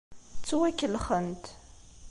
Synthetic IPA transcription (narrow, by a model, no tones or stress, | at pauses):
t͡sːuwækːəlχənt̪